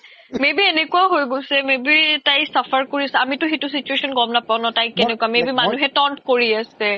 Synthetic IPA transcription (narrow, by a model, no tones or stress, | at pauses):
mebienekuaɦojɡosɛmebitajsapʰaɹkoɹiasɛamitʊxetusit͡ʃuesɔnɡɔmnapaʊnɔtajkːɛnɛkuamebimanuɦɛtɔntkoɹiasɛ